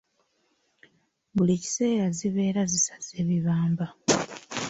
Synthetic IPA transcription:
βuliːci̥se̞ːɾaziβe̞ːɾazisḁz̥e̞ːβiβaːmba

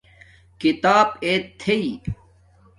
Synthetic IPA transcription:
kit̪aːbeːt̪ʰːei

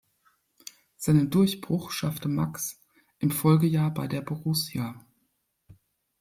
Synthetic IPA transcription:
z̥aɪnəndʊɐçb̥ʁ̥ʊχʃaftəmaks | ʔɪmfɔlɡəjaːɐbaɪdeːɐbʊʁʊsja

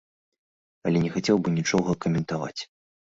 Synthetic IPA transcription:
ɐlʲɛnʲɛxat͡sʲɛwbɨnʲit͡ʂɔɣɐkɐmʲɛnt̪ava̰t͡sʲ

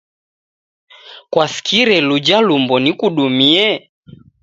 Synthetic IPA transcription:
kwafi̥kʰiɾɛlud͡ʒalumbɔnikuɗumiɛ

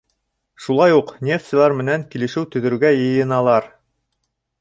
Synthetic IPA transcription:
ʃulˠɑjuqnʲeft̪sɘ̆lˠæɾmɘ̆næŋkilɘ̆ʃɘwt̪ɵ̆ðɵ̆ɾuɡæjɤ̆jɤ̆nɑlˠɑɾ

